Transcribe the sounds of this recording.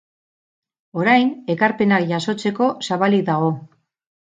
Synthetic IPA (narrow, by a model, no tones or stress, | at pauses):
o̞ɾajne̞kaɾpe̞nakʝaso̞t͡se̞ko̞saβaliðaɣo̞